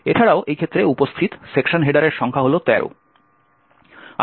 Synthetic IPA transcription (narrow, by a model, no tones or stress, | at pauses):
et͡ʃʰaɽaoʔejkʰet̪ːɾeupost̪ʰit̪sekʃonɦeɖaɾeɾʃɔŋkʰaɦolot̪ɛɾo̰ | a